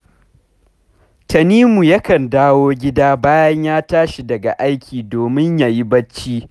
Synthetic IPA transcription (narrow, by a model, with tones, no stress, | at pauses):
tɐ˨niː˦mu˨jɐ˦kɐ˨ndaː˦woː˦ɡʲɪ˦daː˦baː˦jɐ˦ɲjaː˦taː˦ʃi˨dɐ˨ɡa˨ʔa˦jkʲʰiː˨doː˨mɪ˦ɲjaː˨ji˦bɐ˦t͡ʃːiː˦